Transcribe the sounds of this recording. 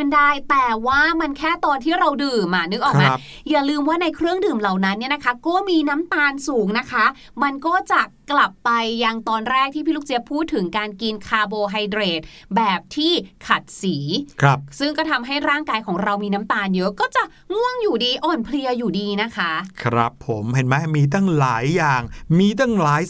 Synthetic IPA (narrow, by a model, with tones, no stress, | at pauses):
ɯ˥˩ndaː˥˩jt̪ɛː˨˩waː˥˩ma˧nkʰɛː˥˩t̪ɔː˧nt̪ʰiː˥˩ɾa˧wdɯː˨˩maː˧˩nɯ˦˥k̚ʔɔː˨˩k̚maː˧ | jaː˨˩lɯː˧mwaː˥˩na˧jkʰɾɯ˥˩əŋdɯː˨˩mla˨˩wna˦˥nːi˥˩na˦˥kʰa˦˥kɔː˥˩miː˧na˦˥mt̪aː˧nsuː˩˦ŋna˦˥kʰa˦˥ | ma˧nkɔː˥˩t͡ɕa˨˩kla˨˩pːa˧jːa˧ŋt̪ɔː˧nɾɛː˥˩k̚t̪ʰiː˥˩pʰiː˥lu˦˥kt͡ɕi˦˥pʰuː˥˩t̪ʰːɯ˩˦ŋkaː˧nki˧nkʰaː˧boː˧ɦa˧jdɾeː˨˩t̪̚ | bɛː˨˩p̚t̪ʰiː˥˩kʰa˨˩t̪̚siː˩˦kʰɾa˦˥p̚sɯ˥˩ŋkɔː˥˩t̪ʰa˧mɦa˥˩jɾaː˥˩ŋkaː˧jkʰɔː˩˦ŋɾa˧wmiː˧na˦˥mt̪aː˧njɤ˦˥ʔkɔː˥˩t͡ɕa˨˩ʔ | ŋu˥˩əŋjuː˨˩diː˧ʔɔː˨˩npʰli˧ɐjuː˨˩diː˧na˦˥kʰa˦˥ʔkʰɾa̰˦˥pʰːo˩˦mɦe˨˩˦nmɛ˦˥˩miː˧t̪̬a˥˩ŋlaː˩˦jːaː˨˩ŋmiː˧t̪a˥˩ŋlaː˩˦j